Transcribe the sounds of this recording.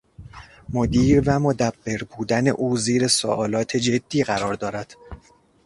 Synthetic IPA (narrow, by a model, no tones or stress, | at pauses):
mod̪iːɾvæmod̪æbːe̞ɾbuːd̪æne̞̰ʔuːziːɾe̞so̰ʔɒːlɒːt̪ʰed͡ʒe̞d̪̥ːiːɣæɾɒːɾd̪ɒːɾæd̪̥